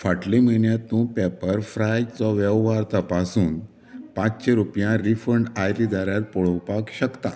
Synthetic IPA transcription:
faʈlimiɳjat̪ːũpɛpəɾfɾajt͡sɔʋɛʋʋaɾt̪əpasuːn | pãt͡st͡ɕẽɾupjãɾifəɳɖajɾid̪aɾjaɾpɔɭɔpakɕəkt̪a

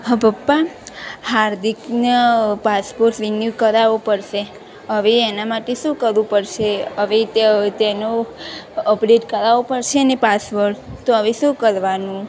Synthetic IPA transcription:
ɦəbəpːahaɾd̪ʱiknəpaspoɾʈʋinjukəɾaʋopəɾʃe | ɦəʋeːnamaʈeʃũkəɾʋũpəɾʃeəʋet̪t̪eno | əpɾeʈkəɾaʋopəɾʃenepasʋoɾt̪oəʋeʃũkəɾʋanũ

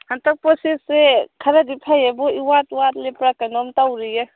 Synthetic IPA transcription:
hant̪ak̚pɔsesekʰaɾad̪ipʰajebɔiwatwat̪lepɾakanɔmtawɾije

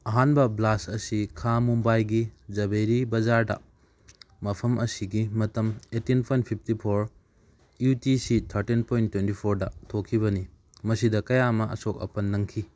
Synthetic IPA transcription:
ɐɦanbɐblasɐsikʰamumbajɡid͡ʒɐbejɾibɐd͡ʒaɾdɐ̰ | mɐpʰɐmʔɐsiɡimɐtɐmetinpʰojnt̚pʰip̚ʰtipʰoɾ | jutisitʰɐɾtinpʰojntːwentipʰoɾdɐtʰokʰːiβɐni | mɐsidɐkɐjamɐɐ̰sok̚ɐ̰pɐnːɐŋkʰi

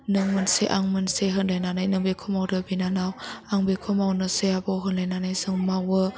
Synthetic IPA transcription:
nɯŋmɯnseʔaŋmɯnseɦɯnlajnanajnɯŋbekʰomawɾɯbinanawaŋbekʰɔmawnɯseabɔɦənlajnanajzɯŋmawə

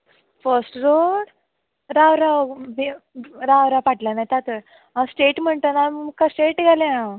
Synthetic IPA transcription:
fəɾsʈɾoɽ | ɾawɾabɾaʋɾapaʈlanajt̪at̪ə | ãsʈeʈm̤əɳt̪ənakasʈeʈɡʱaleã

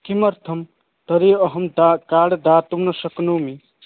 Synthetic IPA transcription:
kimʌɾt̪ʰəm | t̪ʌɾeʌɦəmd̪akaːɽd̪at̪umnʌsʌknumi

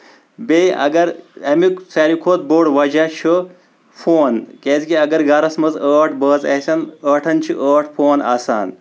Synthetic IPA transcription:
beɐ̰ɡɐɾɐmiksɐːɾikʰoːt̪̚boːɽʋɐd͡ʒaʃʰɨ | fʰoːnkeːzikiɐɡɐɾɡɐɾɐsmɐzəːʈʰbəːzɐ̰sʲɐnəːʈʰɐnt͡ʃʰiʔəːʈʰpʰoːna̰ːsa̰ːn

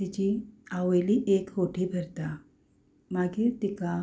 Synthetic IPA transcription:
it͡ɕiaʋeliʔekɦoʈʰibʱəɾt̪a | maɡit̪ika

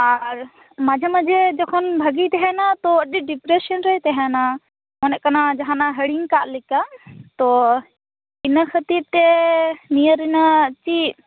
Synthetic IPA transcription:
aɾ | mad͡ʒʱamad͡ʒɛd͡ʒɔkʰɔnbʱəɡit̪ɛɦɛnat̪ɔəɗiɖipɾesənɾəjt̪ɛɦɛna | mɔnɛʔkanad͡ʒaɦanaɦəɽiŋkaʔlikat̪ɔ | inəkʰət̪iɾt̪ɛnijəɾinat͡ʃi

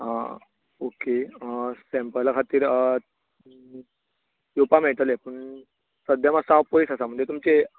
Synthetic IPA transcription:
a̰ | okeəsẽmpəlkʰat̪iːɾ | jupameɭt̪əlepəɳ | səd̪ʱjamasãwpojisasam̤əɳd̪ʱjet̪umt͡se

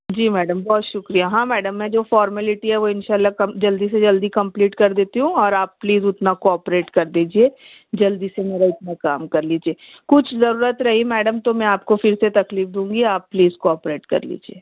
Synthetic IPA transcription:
d͡ʒiːmɛːɖəmbɔɦt̪ʃʊkɾijaɦãːmɛːɖəmːɛ̃d͡ʒoːfɔːɾmɛlɪʈiɦɛʋoɪnʃaːlːakɐd͡ʒɐld̪is̬ed͡ʒɐld̪ikɐ̃mpliːʈkɐɾd̪eːt̪iɦũɔːɾaːpːliːzʊt̪nakoɔːpɾeːʈkɐɾd̪iːd͡ʒieː | d͡ʒɐld̪isemeːɾaɪt̪̚nakaːmkɐɾliːd͡ʒieː | kʊt͡ʃʰzɐɾuːɾət̪ɾɐɦimɛːɖəmt̪omɛ̃aːpkofɪɾset̪ɐkliːfd̪ũːŋɡiaːpːliːzkoɔːpɾeːʈkɐ̰ɾlḭːd͡ʒieː

